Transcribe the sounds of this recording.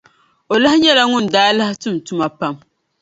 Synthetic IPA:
o˨la˦hɪ˦ɲɛ˦la˨ŋʊ˦n˨daː˦la˦hɪ˦tɨ˦˨m˨tʊ˦ma˦pa˦m

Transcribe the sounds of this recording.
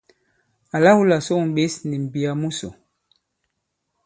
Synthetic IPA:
a˨la˦hu˦la˨so˦˨m˨ɓe˦sni˨m̩˨bi˨a˨mu˦so̰˨

